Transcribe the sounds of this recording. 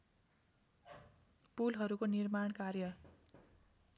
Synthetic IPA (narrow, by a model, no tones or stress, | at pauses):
pulɦʌɾukonirmaɳ̃karjʌ